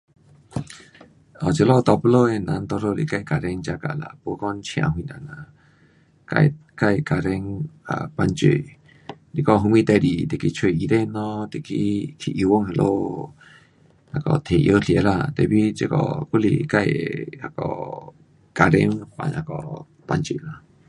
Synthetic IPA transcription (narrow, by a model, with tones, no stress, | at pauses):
ɔ˨t͡ʃə˧lɔ˦˧t̪ɔ˧pə˧lo˧ɛ˧na˨˧nt̪ɔ˧ɾo˧lḭ˨ka˧jka˨ɾɛ˧ŋt͡ʃa˧ka̰˧˨la̰˧˨pu˧˦kɔ˦nt͡ʃʰĩ˧ã̰˧˨ɦũ˧ina˨na˧ | ka̰˧ka˧jka˨ɾɛ˧ŋa̰˧˨pa˧nt͡ʃḛ˧˨ | li˨kɔ˧ɦu˧mĩ˧t̪ɛ˧˨ɾi˨t̪e˧˨ki˧t͡ʃʰe˧˨i˧ɾe˦˧nɔ˧t̪e˧˨ki˧kʰi˧˨ʔi˧wo˦˨ŋhe˧lʔo˦˧ | a˧˨kɔ̰˧t̪ʰe˨ʔjo˦ɬe˧˨la˧t̪ɛ˧˨bi˦t͡ʃə˧kɔ̰˧˨ku˦lḭ˧˨ka˧jha˧kɔ̰˧˨ | ka˧ɾḛ˧˦ŋpa̰˧ɲa̰˧˨kɔ̰˨ | pa˧nt͡ʃi˧˨la˧˨